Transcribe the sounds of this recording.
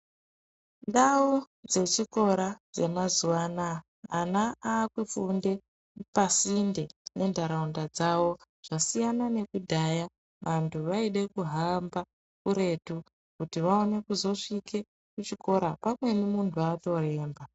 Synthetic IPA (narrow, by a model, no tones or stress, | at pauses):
nɗau | d͡ze̞t͡ʃiko̞ɾad͡ze̞mazuanaː | naaːkwufunde̞ | pasinde̞ne̞ndʱaɾaundad͡zaʋo̞ | ʐ̥asijanane̞kudʱaja | ʋantʰuʋaiɗe̞kuɦamba | kuɾe̞tu | kutiʋao̞ne̞kuzo̞ʂike̞ | kut͡ʃiko̞ɾapamwe̞nimuntʰuaːto̞e̞ːmba